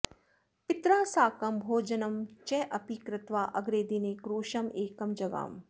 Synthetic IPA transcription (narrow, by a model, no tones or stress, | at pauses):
pɪt̪ɾaːsaːkɐmbʱoːd͡ʒɐnɐmt͡ʃɛʔɐpikɾɪt̪ʋaːʔɐɡɾeːd̪ineːkɾoːʃɐmeːkɐmd͡ʒɐɡa̰ːm